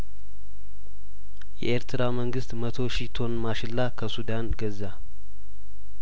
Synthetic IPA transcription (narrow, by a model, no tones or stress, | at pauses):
jɛ̰ʔeɾt̪ʰɨɾaməŋɡɨst̪mət̪ʰo̞ʃit̪ʰo̞nmaʃɪlːakʰəsud̪anɡəza